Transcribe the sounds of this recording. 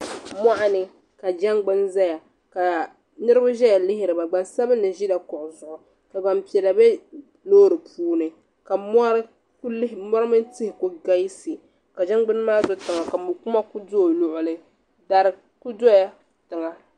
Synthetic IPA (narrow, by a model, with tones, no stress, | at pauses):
ma˦ʔa˦nɨ˨ | ka˨d͡ʒa˦ŋɡ͡bɨ˦nza˦ja˨ | ka˨ | nɨ˦ɾɨ˦ba˦ʒɛ˦ja˨lɪ˦ɦɪ˦ɾɨ˨ba˨ɡ͡ba˨nsa˦bɨ˦nɨ˨ʒi˦da˨kɔ˨ʔʊ˨zʊ˨ʔʊ˨ | ka˨ba˨mpi˨ɛ˨la˨bɛ˦ | loː˦ɾɨ˨pʰuː˦nɨ˨ | ka˨ma˦ɾ | kmɔ˦ɾɨ˦mɨ˦ntɨ˦hɪ˨ku˦ɡa˦ji˦sɨ˨ | ka˨d͡ʒa˦ŋ˦ɡ͡bɨ˦n˦maː˦zo˦tɨ˨ŋa˨ka˨mʊ˨ku˦ma˦ku˦doː˦˨lʊ˨ʔʊ˨lɨ˦ | da˦ɾɨ˦ | ku˦do˦ja˦ | tɨ˨ŋa˨